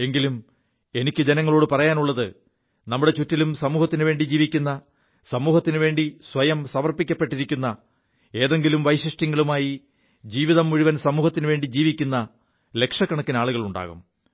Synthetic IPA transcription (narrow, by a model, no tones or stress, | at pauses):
e̞ŋɡilum | e̞nikʲːɨd͡ʑenɐŋːɐɭo̞ːɽɨpɐrɐjaːnuɭːɐðɨ | nɐmːuɽet͡ɕutːilumsɐmuːhɐt̪ːinʋe̞ːɳɖid͡ʑiːʋikʲːunːɐ | sɐmuːhɐt̪ːinɨʋe̞ːɳɖisʋɐjɐmsɐmɐrpikʲːɐpːe̞ʈːiɾikʲːunːɐ | e̞ːðe̞ŋɡilumʋɐjɕrɐʂʈɐŋːɐɭumaːji | d͡ʑiːʋiðɐmːuɻiʋɐnsɐmuːhɐt̪ːinɨʋe̞ːɳɖid͡ʑiːʋikʲːunːɐ | le̞kʂɐkːɐɳɐk̪ːinaːɭuɣɐɭuɳɖa̰ːɣṵm